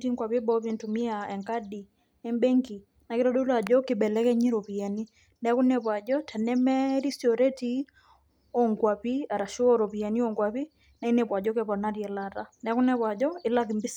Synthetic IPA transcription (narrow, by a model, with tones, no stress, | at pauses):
ti˦ŋɡwa˨pi˦bɔ˦βi˦ntu˨mi˦aɛ˨ŋka˦di˨ | ɛ˦mbɛ˦ŋɡi˨ | na˨kɪ˦ɾɔ˦ɗu˦la˨d͡ʒɔ˦kɪ˨ɓɛ˨lɛ˦kɛ˦ɲi˦ɾɔ˨pi˨ja˨ni˦ | nɛ˨˦ku˦nɛ˨pwa˨d͡ʒɔ˦tʰɛ˨nɛ˦mɛ˦ɾi˦siɔ˨ɾɛ˦ti˦ | ɔ˨ŋɡwa˨pi˦a˨ɾa˨ʃu˦ɔ˦ɾɔ˨pi˨a˨ni˦ɔ˨ŋɡwa˨pi˦ | na˨i˦nɛ˨pwa˨d͡ʒɔ˦kɛpɔ˨na˦ɾjɛ˨la˨ɾa˦nɛ˨˦ku˦nɛ˦˨βwa˨d͡ʒɔ˦ɪ˦la˦ki˨mbi˦s